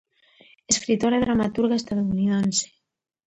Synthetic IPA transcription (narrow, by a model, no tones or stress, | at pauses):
eskɾit̪oɾaðɾamat̪uɾɣaest̪aðouniðense̥